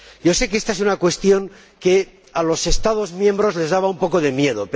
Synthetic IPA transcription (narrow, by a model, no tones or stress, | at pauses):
jo̞se̞k̬eest̪aesunakwe̞st̪jo̞ŋ | ke̞ | alo̞se̞st̪að̞o̞zmjẽmbɾo̞zle̞zðaβaumpo̞ko̞ðe̞mjeð̞op